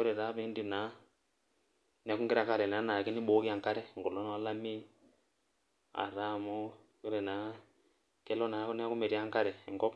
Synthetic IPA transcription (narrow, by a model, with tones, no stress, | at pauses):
kɔ˦ɾɛ˨ta˨˦pɛ˦ndi˦˨na˨˦ | ni˦a˦ku˦ŋɡɛ˦ɾa˨ka˦˨lɛ˨na˨˦na˨kɛ˦ni˦ɓɔ˦ki˦a˨ŋka˦ɾɛ˦˨ŋɡɔ˨lɔ˦na˨a˦la˦mi˦ | a̰˨ɾa˦˨mɔ˦ | kɛ˦ɾɛ˨na˨˦ | kɛ˦lɔ˦na˨˦kni˦a˦ku˦mɛ˨ɾi˦a˦ŋka˦ɾɛ˨ŋɡɔ˦p